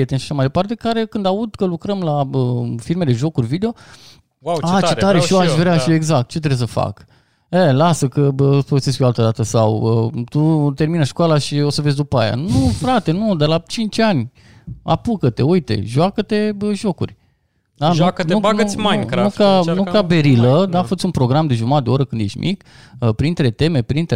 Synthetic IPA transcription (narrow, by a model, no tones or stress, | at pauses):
et̪enʃḁʃamajd̪epart̪e̞kaɾe̞kɨnd̪aud̪kəlukɾəmlaəfiɾme̞d̪e̞ʒo̞kurʲvid̪eo̞ | at̪t͡ʃet̪aɾeʃioaʃvɾeaʃieɡzak̚t̪̚t͡ʃet̪ɾe̞bs̬əfa̰k | elasəkəbəfəɡəseskjoalt̪əd̪at̪əsawət̪ut̪e̞rminəʃkoalaʃio̞səvezʲd̪upaja̰nufɾat̪e̞nud̪elat͡ʃint͡ʃʲanʲ | a̰pukət̪e̞̰ujt̪e̞̰ʒuakət̪e̞bəʒo̞kṵrʲ | d̪aʒknunumanukanukabe̞ɾiləd̪afət͡ʃ̪ʲunpɾo̞ɡɾamd̪e̞ʒumat̪d̪eo̞ɾəkɨnd̪je̞ʃt̪mʔik | əpɾint̪ɾe̞t̪e̞me̞pɾint̪ɾe